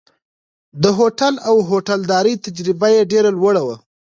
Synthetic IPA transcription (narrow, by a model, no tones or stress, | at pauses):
d̪əɦoʈalawɦoʈald̪ɑɾəjt̪ad͡ʒɾɪbajeɖeɾalwəɽawa